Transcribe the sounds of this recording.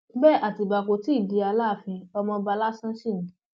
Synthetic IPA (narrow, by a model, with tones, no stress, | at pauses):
bɛ˦a˨ti˨ba˨ko˨ti˦i˦˨di˨˧a˧la˦˨fĩ˧ɔ˧mɔ̃˧ba˧la˦sã˦ʃi˦˨nĩ˨˦